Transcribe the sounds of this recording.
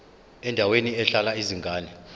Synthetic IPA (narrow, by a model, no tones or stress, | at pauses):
ɛndʱaweniɛɬalaiziŋɡʱaːnɛ